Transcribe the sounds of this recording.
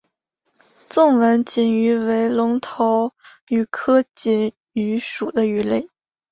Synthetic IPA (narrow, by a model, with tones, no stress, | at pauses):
t͡sʊ˥˩ŋwə˧˥nt͡ɕi˨˩ny˧˥we˧˥ɪlʊ˧˥ŋt̪ʰo˧˥ʊy˨˩kʰɤ˥t͡ɕi˧˨˩n | y˧˥ʂu˨˩d̪ə˦y˧˥le˥˩ɪ